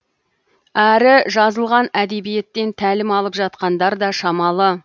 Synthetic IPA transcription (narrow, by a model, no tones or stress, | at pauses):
æɾɪʒɑzəlˠʁɑnæd̪e̞bije̞t̪ːe̞nt̪ʰælɪmɑlˠəpʒɑt̪̚qɑnd̪ɑɾd̪ɑʃɑmɑlˠə